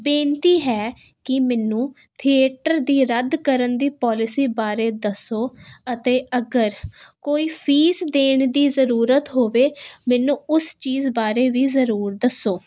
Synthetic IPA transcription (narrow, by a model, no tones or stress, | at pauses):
bẽːnt̪iːɦɛː | kɪmɛːnũː | t̪ʰiːeːʈəɾd̪iːɾəd̪kəɾənd̪iːpɔːlɪsiːbaːɾeːd̪əsoːət̪eːəɡəɾkoːiːpʰiːsd̪eːɳd̪iːzəɾuːɾət̪ɦoːʋeːmɛːnũːʊst͡ʃiːzbaːɾeːʋiːzəɾuːɾd̪əsːoː